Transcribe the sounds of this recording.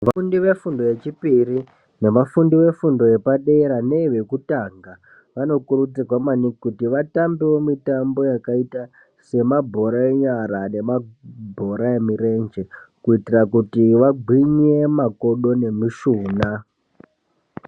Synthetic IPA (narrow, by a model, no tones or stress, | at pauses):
ʋaundiʋe̞fundoje̞t͡ʃipiri | ne̞mafundiʋe̞fundo̞je̞paɗe̞ɾane̞ʋe̞kutaŋɡa | ʋano̞kuɾut͡sirwamanikikutiʋatambiwo̞mitambo̞jakaita | se̞mabʱo̞ɾae̞ɲaɾane̞mabʱo̞ɾae̞miɾe̞nd͡ʒe̞kuitirakutiʋaɡʱwiɲe̞mako̞ɗo̞ne̞miʃuːna